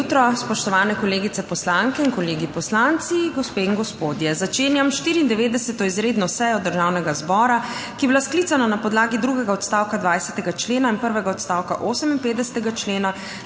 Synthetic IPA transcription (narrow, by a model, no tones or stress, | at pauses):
ut̪ɾɔspɔʃt̪ɔʋaːnɛkɔleːɡit̪sɛpɔslaŋkɛinkɔleːɡipɔslant̪siɡɔspeːiŋɡɔspoːd̪jɛzat͡ʃeːnjamʃt̪iːɾiːnd̪ɛʋeːd̪ɛsɛt̪ɔizɾeːd̪nɔsɛjɔd̪əɾʒawnɛɡazbɔːɾakibilasklit̪sananapɔd̪laːɡid̪ɾuɡɛɡaɔt̪st̪awkad̪ʋajsɛt̪ɛɡat͡ʃleːnainpəɾʋɛɡaɔt̪st̪awkaʔoːsəminpet̪d̪d̪ɛsɛ̥t̪ɛɡat͡ʃleːna